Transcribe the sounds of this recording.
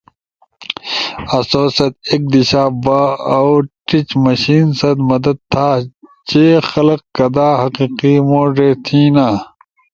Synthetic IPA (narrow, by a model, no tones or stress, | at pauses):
ɐsoːsɐt̪eːk̚d̪iɕaːbaːɐwʈit͡ɕmɐɕiːnsɐd̪mɐd̪ɐd̪̚t̪ʰaːt͡ɕeːxɐlɐqkɐd̪aːɦɐqiːqimoːɖeːt̪ʰiːnaː